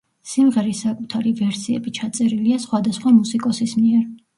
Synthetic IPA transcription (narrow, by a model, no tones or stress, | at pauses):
simʁɛɾisakʼut̪ʰaɾivɛɾsiɛ̰bit͡ʃʰat̪sʼɛɾiliasχwad̪asχwamusikʼɔsismiɛɾ